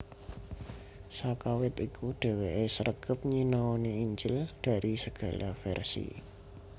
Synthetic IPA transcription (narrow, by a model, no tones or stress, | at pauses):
sakawɪt̪ikʰuɖ̥ɛ̤weʔesəɾəɡ̥əp̚ɲinaɔneiɲd͡ʒɪld̪̥a̤ɾisəɡ̥a̤lafɛ̰rsḭ